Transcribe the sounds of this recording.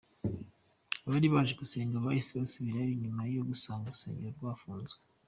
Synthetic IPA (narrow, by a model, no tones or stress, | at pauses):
βaɾiβaʒeɡuse̞ːɲɡeoβahisiβasuβiɾajiɲimajjoɡusaːŋɡuusḛːɲɟeɾoɾɡwaːfuːnzwe